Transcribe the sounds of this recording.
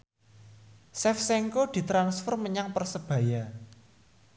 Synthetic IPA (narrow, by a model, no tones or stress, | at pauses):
sɛfsɛŋkod̪̥i̤t̪ɾansfɔrməɲaŋpərsəb̥ä̤ja